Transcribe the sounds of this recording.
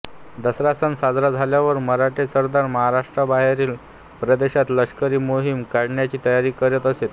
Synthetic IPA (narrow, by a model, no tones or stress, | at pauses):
d̪əsɾasənsad͡zɾad͡zʱaljaʋəɾməɾaʈʰesəɾd̪aɾməɦaɾaʂʈɾabaɦeɾiːl | pɾəd̪eɕat̪ləɕkəɾiːmoɦimkaɽɳjat͡ɕiːt̪əjaɾiːkəɾjət̪əset̪